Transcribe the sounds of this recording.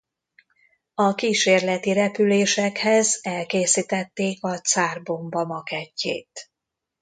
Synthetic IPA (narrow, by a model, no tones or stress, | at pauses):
ɒkiːʃeːrlɛt̪iɾɛpyleːʃɛkhɛzɛlkeːsit̪ɛt̪ːeːkɒt̪saːrbombɒmɒkɛcʰːḛːt̪